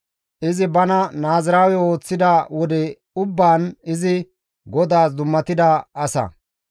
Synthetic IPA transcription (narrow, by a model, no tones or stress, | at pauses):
ʔɪzɪbɐnɐnaːzɪɾaːwɛo̞ːt͡sːɪd̪awɔd̪ɛ | ʊbːaːnɪzɪ | ɡɔd̪aːs̬d̪ʊmːɐt̪ɪd̪ɐɐsɐ̰